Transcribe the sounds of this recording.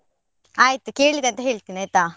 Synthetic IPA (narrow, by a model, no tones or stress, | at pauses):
aːjt̪ukeːɭid̪eɐnt̪ɐɦeːɭt̪iːniajt̪aː